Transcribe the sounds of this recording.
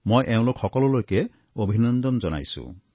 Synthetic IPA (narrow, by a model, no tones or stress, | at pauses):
mojʔeũlokʰhɔkɔlɔlojke | obʱinɔnd̪ɔnd͡ʒɔna̰jsṵ